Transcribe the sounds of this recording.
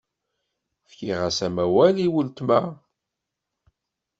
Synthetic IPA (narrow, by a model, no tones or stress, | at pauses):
fkiʁæsæmæwæliwəlt̪mæ